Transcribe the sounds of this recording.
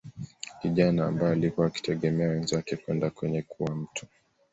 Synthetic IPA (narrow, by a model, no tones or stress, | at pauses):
kiʄana̰ːmbajɔalikuwaki̥tʰɛɠɛmɛawɛnzakɛkwɛndakwɛɲɛkʰuwam̩tʰu̥